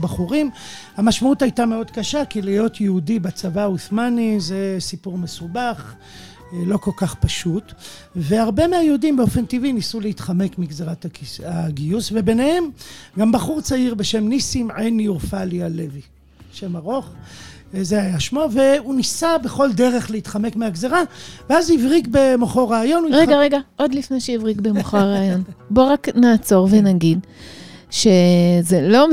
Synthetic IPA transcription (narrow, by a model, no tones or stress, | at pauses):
baχuʁimhamaʃmautajtame̞o̞d̪kaʃakilijo̞t̪ʰjeudibat͡savauθmanize̞sipuʁme̞subaχ | lo̞ko̞lkaχpaʃut | ve̞aʁbe̞meajeudimbeo̞fe̞ntivinisuleit̪χame̞kmiɡzeʁataaɡijusve̞be̞nehe̞mɡambaχuʁt͡saiʁbe̞ʃe̞mnisimʕeniuʁfalialevi | ʃe̞maʁo̞χ | zeajaʃmove̞unisabe̞χo̞ld̪e̞ʁeχleit̪χame̞kmeaɡzeʁaveazivʁikbe̞moχoʁaːjo̞nujiʁeɡaʁe̞ɡaʔo̞d̪lifne̞jʃejivʁikbemoχoʁeːjonbo̞ʁaknaːt͡so̞ʁvenaɡid | ʃe̞zelo̞